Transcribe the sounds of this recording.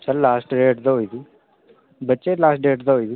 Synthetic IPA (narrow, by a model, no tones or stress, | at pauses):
sɐllːaːsʈɖeʈd̪ɐɦojd̪i | bət͡ʃːeːlaːsʈ̚ɖeːʈd̪ɐɦoːjd̪i